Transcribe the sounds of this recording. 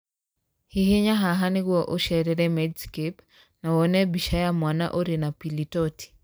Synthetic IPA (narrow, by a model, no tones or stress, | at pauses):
hiheɲaɦaɦaniɣwɔʔoʃɛɾɛɾɛmɛdskep | nawɔnɛbiʃajamwana̰ʔoɾinapilitɔti̥